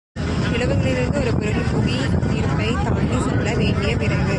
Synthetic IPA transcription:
ɪɭɐʋɯɣɐɭɪɾɯnd̪ɯɔɾɯpɪɾɐðɯpʊɣinɪɾɯmbɐɪt̪ɐmɐnd̪isɛlːɐʋeːɳɖɪjɐpɪɾɐɡɯ

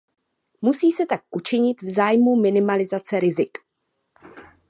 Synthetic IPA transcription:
musiːsɛt̪ak̚ʔut͡ʃɪɲɪt̪vzaːjmumɪnɪmalɪzat͡sɛɾɪzɪk

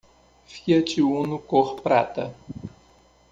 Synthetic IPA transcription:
fiɐt͡ʃiunukoχppɾaːt̪ɐ

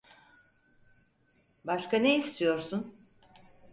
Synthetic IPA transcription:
baʃkʰaneist̪ʰijo̞ɾsun

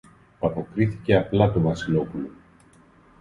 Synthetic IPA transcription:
ɐpo̞kɾiθice̞ɐplɐt̪ovɐsilo̞pulo

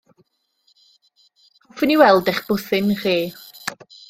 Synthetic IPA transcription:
ɔfɪniwɛlˠdɛχb̥ʊθɪnriː

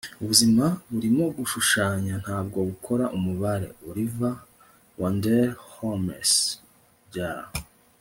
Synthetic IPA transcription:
uβuzimaβuɾimo̞ɡuʃuʃaːɲan̥haːbɡo̞βukʰo̞ɾaʔumuβaɾe̞̰oɾiva | wandeɾhomḛs | ɟaɾa̰

